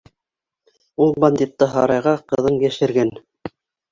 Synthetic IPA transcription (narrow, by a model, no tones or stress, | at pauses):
ulˠbɑnʲd̪ʲit̪ːɤɦɑɾɑjʁɑqɤ̆ðɤɴjæʃɘ̆ɾɡæn